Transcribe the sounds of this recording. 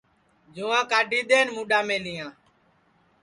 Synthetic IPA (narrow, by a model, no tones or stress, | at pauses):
d͡ʒuːãːkaːɖʱiːɗ̪eːnmũːɗaːmẽːliːãː